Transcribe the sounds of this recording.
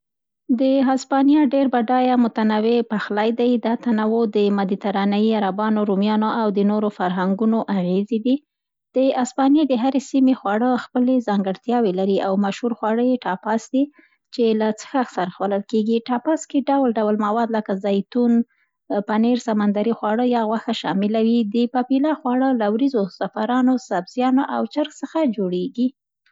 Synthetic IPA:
d̪əɦaspɑnjɑɖeɾbaɖɑjamʊt̪anawepaxlajd̪ajd̪ɑt̪anawod̪əmad̪it̪aɾɑnaiaɾabɑnoɾumjɑnoawd̪ənoɾofaɾɦaŋɡunoʔaɣezed̪i | d̪̥əaspɑnjed̪əɦaɾesimexwɑɽəxpəlezɑŋɡəɽt̪jɑwelaɾiʔawmaʃhuɾxwɑɽəjeʈɑpɑsd̪i | t͡ʃelat͡sə̥xaxsaɾaxwaləlkeɡiʈɑpɑskeɖawlɖawlmawɑd̪ləkazajt̪un | paneɾsamand̪aɾixwɑɽəjɑɣwaxaʃɑmɪlawid̪əpapilɑxwɑɽəlawɾizosafaɾɑnosabz̥jɑnoʔawt͡ʃəɾxsəxad͡ʒoɽeɡi

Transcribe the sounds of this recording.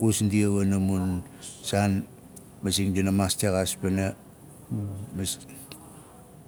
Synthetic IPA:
kusndiaβanamun | san | masiŋdinamastaɣaspena | ms

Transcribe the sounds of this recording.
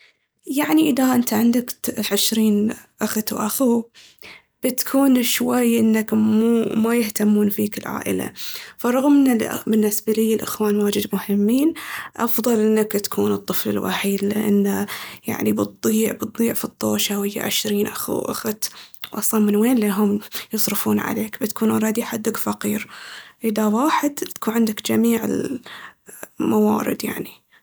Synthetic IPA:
jaʕniʔɪðaʔɪnt̪aʕɪnd̪akʕɪʃɾiːnʔaxt̪wʔaxu | b̥ɪt̪kʰuːnʃwajʔɪnːakmumajɪht̪amːuːnfiːkɪlʕa̰ːʔɪ̰la̰fɑɾˤɑɣmna̰bɪnːɪsbalijːɪlʔɪ̰xwaːnwaːd͡ʒɪd̪mʊhɪmːiːnʔɑfðˤɑlʔɪnːakt̪ḁkʰuːnɨt̪ˤːɨflɪ̰lwa̰ħiːd̪lɪ̰ʔa̰nːaja̰ʕnibɨt̪̚ˤːiːʕbɨt̪̚ˤːiːʕfit̪ˤːoːʃawɪjːa̰ʕɪ̰ʃɾiːnʔaxṵʔa̰xt̪wʔɑsˤlɑmɪnweːnliɦʊmjɨsˤɾɨfuːnʕa̰leːkbɪt̪kʰuːnʊɾˤɑːd̪iħad̪ːakfaqiːɾʔɪðawaːħɪd̪t̪ḁkuːnʕɪnd̪akd͡ʒamiːʕɪ̰l | mawɑ̰ːɾɪ̰d̪ja̰ʕni

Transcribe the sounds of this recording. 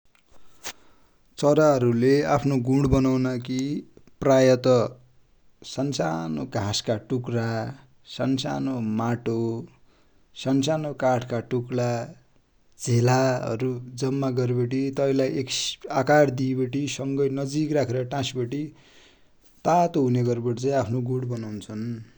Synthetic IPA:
t͡sʌɾaɦʌɾuleapʰnoɡũɽbʌnawnʌkiprajʌt̪ʌ | sansanoɡʱaskaʈukra | sansanomaʈo | sansanokaʈʰkaʈukla | d͡zʱelaɦʌ̰ɾud͡zʌmːaɡʌɾbʌʈit̪ʌilajekakaɽd̪ibeʈisʌŋɡʌjnʌd͡zikrakʰeɾʌʈãsbʌʈi | t̪at̪oɦuneɡʌɾbʌʈit͡sãĩapʰnoɡũɽbʌnawnt͡sʰʌn

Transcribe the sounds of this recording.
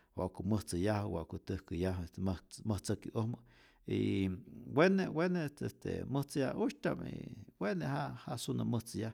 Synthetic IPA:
wa̰ʔkuməht͡səjahwaʔkut̪əhkəjaɦest̪emməht͡səkiʔohmə | ḭ | wenewenest̪est̪ḛməht͡sɨja̰uʃt̪a̰mḭwenehaʔhasunaməht͡sɨjah

